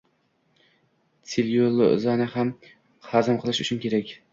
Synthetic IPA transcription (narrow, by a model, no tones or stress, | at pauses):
t͡s̪ʰɪlolˠo̰zanɪham | hazɪmqʰɨlˠɪʃʊt͡ʃʰʊnkʲʰe̞ɾakʲ